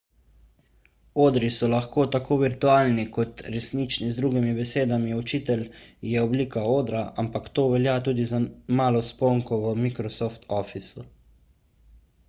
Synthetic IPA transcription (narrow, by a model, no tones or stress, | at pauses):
oːd̪ɾisɔlaxkoːt̪akʰoːʋiɾt̪uaːlnikɔt̪ɾɛsnit͡ʃnizd̪ɾuɡimibɛseːd̪amiɔt͡ʃiːt̪ɛljɛɔbliːkaoːd̪ɾaampakt̪oːʋɛljat̪uːd̪izamaːlɔspɔŋkɔʋəmikɾɔsɔft̪ɔfisu